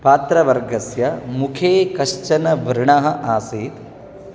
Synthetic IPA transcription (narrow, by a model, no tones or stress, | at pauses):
paːt̪ɾɐʋɐɾɡɐsjɐmukʰeːkɐʃt͡ʃɐnɐʋɾɳɐɦɐʔaːseːt̪